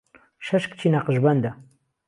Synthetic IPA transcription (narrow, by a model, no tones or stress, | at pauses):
ʃɐʃkt͡ʃʰinaqəʒbɐnd̪a